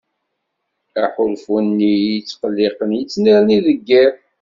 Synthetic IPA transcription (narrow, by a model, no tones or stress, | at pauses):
æħʊlfunːijət͡sːqəlːiqənjət͡sːniɾniðəɡːæɾ